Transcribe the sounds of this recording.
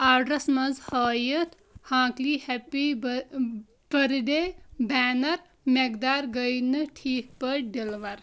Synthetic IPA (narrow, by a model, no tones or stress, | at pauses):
aːɖɾɐsmɐzhɐːjət̪ʰ | hãːkliːhɛpi | b̥ɐɾɖebɛːnɐɾ | meɡ̚d̪aːɾɡəjnɨʈʰiːk̚pɐɖilʋɐɾ